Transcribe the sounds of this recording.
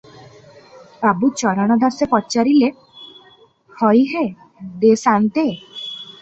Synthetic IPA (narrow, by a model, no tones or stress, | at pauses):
abut͡ʃɔɾaɽ̃ɔd̪ʱasepɔt͡ʃaɾile | hɔjɦe | d̪esant̪e